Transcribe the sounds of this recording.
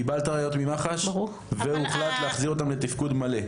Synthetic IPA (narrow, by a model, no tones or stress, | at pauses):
ibalt̪aʁajo̞t̪mimaχaʃ | veuχlat̪leaχziʁo̞t̪amlet̪ifkud̪male